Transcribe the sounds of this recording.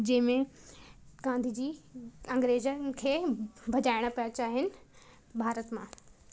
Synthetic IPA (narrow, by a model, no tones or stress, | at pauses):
d͡ʑɐ̃ɦɪ̃mẽ | ɡ̥ãːnd̪ʱid͡ʑiːɐ̃ŋɡɾeːd͡ʑəkʰeːbʱɐd͡ʑaːɪɽ̃ə̆pijat͡ɕaːɦɪnɪ̆ | bʱaːɾət̪mãː